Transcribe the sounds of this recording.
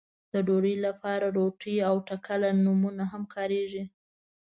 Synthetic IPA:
d̪̥əɖoɽəjlapɑɾaɾoʈijawʈakalanumunaɦamkʰɑɾeʒi

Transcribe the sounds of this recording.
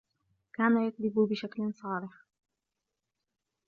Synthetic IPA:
kaːnajat̪̚d̪ɪbbɪʃaklɪnsˤɑːlɪħ

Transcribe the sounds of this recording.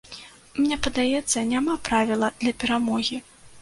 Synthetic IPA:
mnʲɛpɐd̪ajɛt̪sːɐnʲamapɾavʲilˠɐd̪̥lʲɐpʲɛɾamɔɣʲi

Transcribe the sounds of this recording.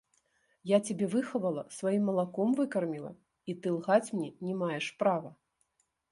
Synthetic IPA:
jat͡sʲabʲɛvɨxɐvɐlˠɐsvajimːɐlˠakɔmvɨkɐrmʲilˠɐ̰ | it̪ɨlˠɣat͡sʲmnʲɛnʲɛmajɛʂpɾavɐ

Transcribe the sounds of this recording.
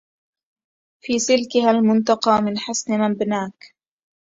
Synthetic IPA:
fiːsɪlkɪɦalmʊnt̪ɑqɑːmɪnħasnɪmambnaːk

